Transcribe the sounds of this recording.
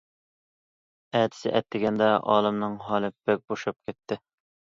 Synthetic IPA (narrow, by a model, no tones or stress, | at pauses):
ɛːt̪ʰɪ̥sɪ̰ʔɛ̰t̪ːɪɡʲɛnd̪ɛʔɑ̰ːlˠɨmnɨŋɦɑːlˠɨbɛk̚ʲboʃɑp̚kʲʰɛt̪ːɪ